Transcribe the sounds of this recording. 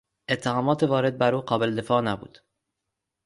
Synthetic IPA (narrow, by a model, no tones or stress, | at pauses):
ʔe̞t̪ʰːehɒːmɒːt̪ʰevɒːɾe̞d̪̚bæɾuːqɒːbe̞led̪e̞fɒːnæbṵːd̪̥